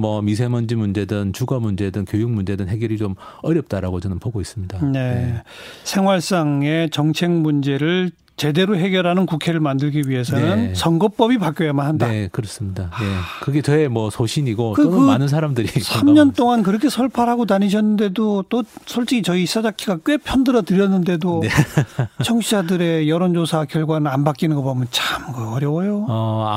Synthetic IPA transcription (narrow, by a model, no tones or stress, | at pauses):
mʌmis̬ʰemʌnd͡ʑimund͡ʑe̞dɯnt͡ɕuɡʌmund͡ʑe̞dɯŋkjojuŋmund͡ʑe̞dɯnɦeɡjʌɾit͡ɕom | ʌɾjʌp̚t͈aɾaɡot͡ɕʌnɯnpoɡois͈ɯmɲidane̞ | sʰe̞ŋwaɭs͈aŋe̞t͡ɕʌŋt͡ɕʰe̞ŋmund͡ʑe̞ɾɯɭ | t͡ɕe̞de̞ɾoɦe̞ɡjʌɾɦanɯnkukʰe̞ɾɯɭmandɯɭɡiɥiɦe̞s̬ʰʌnɯnsʌŋɡʌp͈ʌbipak͈jojamanɦandaakɯɾʌs͈ɯmɲidaje̞kɯɡe̞temwʌsʰoɕʰiɲiɡokɯkɯmnɯns̬ʰaɾamdɯɾisʰamɲʌnt͈oŋankɯɾʌkʰe̞sʰʌɭpʰaɾɦaɡotaɲiɕ̬ʰʌnːɯnde̞dot͈osʰʌɭt͡ɕ͈ikʰit͡ɕʌis͈ad͡ʑakʰiɡakwe̞pʰjʌndɯɾʌtɯɾjʌnːɯnde̞doet͡ɕʰʌŋɕʰid͡ʑadɯɾejʌɾond͡ʑosʰakjʌɭɡwanɯɾanbak͈inɯnɡʌbʌmʌnt͡ɕamkɯʌɾjʌbʌjo